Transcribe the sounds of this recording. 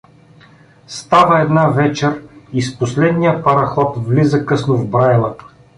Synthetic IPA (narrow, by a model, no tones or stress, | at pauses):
st̪avəɛd̪navɛt͡ʃɛɾisposlɛd̪nijəpɐɾɐxɔt̪vlizəkɤsnʊvbɾajlˠə